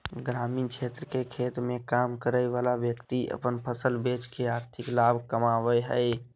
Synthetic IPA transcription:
ɡɾaːmiːnkt͡ʃʰet̪ɾəkekʰeːt̪mẽkamkəɾəjʋaːlaʋjəkt̪iʔə̰pənpʰəsəlbet͡ʃkeaːɾt̪ʰɪklabʱkəmaːʋəɦəɪ

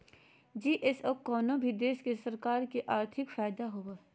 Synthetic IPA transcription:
d͡ʒiːʔesoːkɔːnõbʱid̪eːʃkesɐɾkaːɾkeʔaːɾt̪ʰɪkfaːjd̪aɦoːɡaː

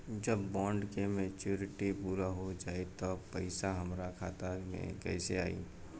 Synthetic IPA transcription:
d͡ʒəbːɔ̃ːɳɖkemet͡ʃuːɾɪʈipuːɾaɦod͡ʒaːet̪ɔpəɪsaɦəmɾakʰaːt̪amḛ̃kɛ̰ɪseaːḭ

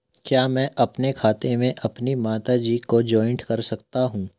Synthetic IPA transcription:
kjaːmɛ̃ːʔɐpnekʰaːt̪ẽmẽʔɐpnimaːt̪ad͡ʒiːkod͡ʒɔːɪ̃ɳʈkɐɾsɐkt̪aɦũː

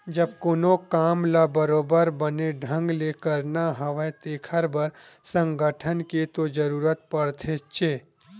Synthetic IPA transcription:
d͡ʒɐb̚koːnokaːmlabəɾoːbəɾbəneɖʱə̃ŋɡlekəɾnaɦɐʋət̪eːkʰəɾbəɾsə̃ŋɡəʈʰənket̪od͡ʒəɾuːɾət̪̚pɐɽt̪ʰet͡ʃeː

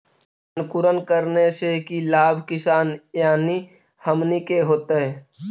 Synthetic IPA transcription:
ənkʊɾənkəɾnesekilaːbʱkɪsaːnjaːni | həmnikeɦoːt̪eɦɛː

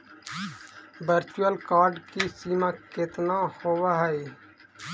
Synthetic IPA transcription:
bəɾt͡ʃuəlkaːɾɖkisiːmakɪt̪nahoːwaɦəj

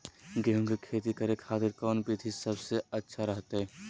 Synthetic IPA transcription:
ɡeɦũŋɡekʰeːt̪ikɐɾekʰaːt̪ɪɾkɔːnpit̪ʰisɐbseɐtːʃʰaɾɐɦt̪eɦɛː

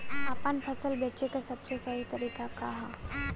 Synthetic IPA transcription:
apanpʰəsəlbɛt͡ʃekasəbsesəɦit̪əɾikakaɦa

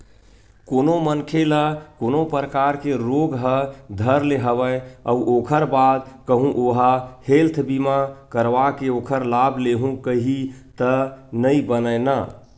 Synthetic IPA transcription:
konomənkʰeləkonopɾəkaɾkeɾoɡɦəd̪ʱəɾleɦəβəə̰uʔokʰəɾbad̪kəɦũʔoɦahelt̪ʰbimakəɾʋakeokʰəɾlabʱleɦũkəɦit̪ənəibənəɪnə

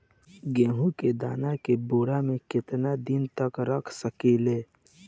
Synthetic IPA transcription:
ɡẽːɦũked̪aːnakebuːɽamẽkɪt̪nad̪ɪnt̪ɐkɾɐkʰsəkiːleː

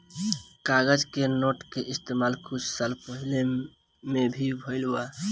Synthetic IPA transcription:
kaɡəd͡ʒkenoʈkeʔist̪emalkʰut͡ʃʰsəlpəɦile | mebʱibʱoɪlba

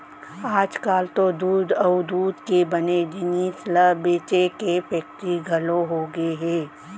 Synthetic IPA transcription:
aːd͡ʒkaːlt̪od̪uːd̪ɐʊd̪uːd̪kebɐned͡ʒɪniːsləbeːt͡ʃekepək̚ʈ̪iɡʱɐloɦoɡəeɦɛː

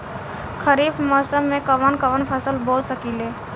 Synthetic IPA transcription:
kʰəɾiːbmɔːsəmːẽkəʋənkəʋənpʰəsəlboːlsəkileː

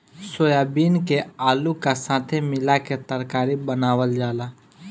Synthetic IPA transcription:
soːjaːbiːnkeaːlukasãːt̪ʰemɪlaket̪əɾkaːɾibənaːwəld͡ʒaːlaː

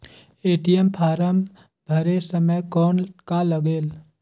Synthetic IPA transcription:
eːʈijempʰaːɾəm | bʱəɾesəməjkɔːnkaləɡeːl

